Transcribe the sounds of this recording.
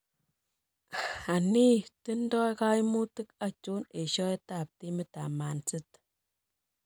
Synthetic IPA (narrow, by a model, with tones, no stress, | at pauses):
a˨ni˦tɨndɔ˦jka˦imu˦tɨkat͡ʃu˦ne˨ʃɔ˦ɛtap̚timita˨ma˨nt͡sɨt